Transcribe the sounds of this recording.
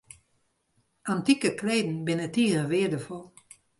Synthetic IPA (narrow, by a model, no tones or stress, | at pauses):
ʔantikəkleːdn̩bɪnətiːɾəʋɪədəfɔlˠ